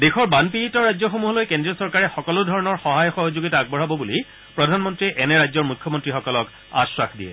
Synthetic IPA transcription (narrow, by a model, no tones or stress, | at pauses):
dexɔɹbanpiitɔɹajd͡ʑzɔxomuɦɔlojkendɹiɔsɔɹkaɹɛxɔkɔlʊdʱɔɹɔnɔɹxɔɦajɔxɔɦozoɡitaːɡ̚bɔɹɦabɔbuli | pɹɔdʱanmɔntɹiʔɛnɛɹajzɔɹmukʰːjɔmɔntɹixɔkɔlɔk | a̰swaxdiɛ̰